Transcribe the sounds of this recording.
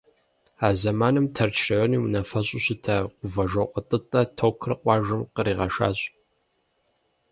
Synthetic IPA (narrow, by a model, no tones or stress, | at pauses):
aːzɐmaːnɨmtʰɐrt͡ʃʰrɐʕʷɔniːwnɐfɐɕʼɪɕɪtʰɐqʷʊvɐʒɐqʷʼətʼɨtʼɐtʰowkʰrɨqʷʼɑːʒɨmqəɾiːʁɐʃa̰ːɕʼ